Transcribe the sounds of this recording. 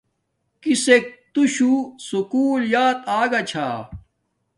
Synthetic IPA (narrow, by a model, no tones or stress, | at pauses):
kisek̚t̪uɕusukuːljaːt̪aːɡɐt͡ɕʰaː